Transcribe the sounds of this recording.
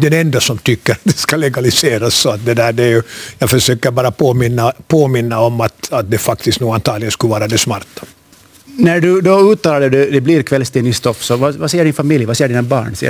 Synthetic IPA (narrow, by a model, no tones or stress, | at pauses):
d̪ɛnɛnd̪asɔmt̪ʰʏkːəɾat̪̚d̪ɛskalɛɡalɪseːɾasːɔat̪̚d̪ɛd̪æːɖɛæjɵjɑːɡfœʂøːkəɾbɑːɾapʰoːmɪnːapʰoːmɪnːaɔmːat̪at̪̚d̪ɛfak̚t̪ɪst̪noːɡant̪ʰɑːɾlɪɡənskɵlvɑːɾad̪ɛsmaɾt̪ḁ | næɖɵd̪ɔʉːt̪ːɑːlaɖɛd̪ʉd̪ɛbliɾkʰvɛlst̪eːnɪst̪ɔfsɔvavasɛjːəɖɪnfamɪljvasɛːɖiːnabɑ̰ːɳsɛ̰